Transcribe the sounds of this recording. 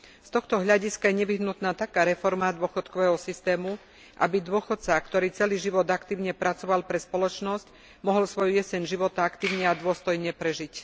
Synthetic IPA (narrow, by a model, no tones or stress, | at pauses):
st̪ɔxt̪ɔɦʎaɟiskajɛɲɛʋiɦnut̪naːt̪akaːɾɛfɔɾmad̪ʊɔxɔt̪kɔʋɛːɦɔsist̪ɛːmu | ʔa̰bid̪ʊɔxɔt̪t͡sakt̪ɔɾiːt͡sɛliːʒiʋɔd̪akt̪iːʊɲɛpɾat͡sɔʋalpɾɛspɔlɔt͡ʃnɔsc | mɔɦɔlsʋɔjujɛsɛnʒiʋɔt̪aakt̪iːʊɲɛad̪ʊɔst̪ɔjɲɛpɾɛʒic